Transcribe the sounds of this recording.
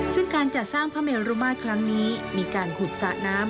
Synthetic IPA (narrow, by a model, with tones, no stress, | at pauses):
sɯ˥˩ŋkaː˧nt͡ɕa˨˩saː˥˩ŋpʰaː˦˥me˧lɾuː˧˥maː˥˩t̪̚kʰɾa˦˥ŋniː˦˥miː˧kaː˧npʰu˨˩k̚saː˨˩naː˦˥m